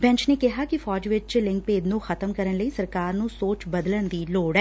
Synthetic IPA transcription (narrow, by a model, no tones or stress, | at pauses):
bɛ̃ɲt͡ʃneːkɪɦaːkifɔːd͡ʒʋɪt͡ʃt͡ʃlɪ̃ŋk̚peːd̪nũːxʰət̪əmkəɾənləiːsəɾkaːɾnũːsoːt͡ʃbəd̪lənd̪iːloːɽɛː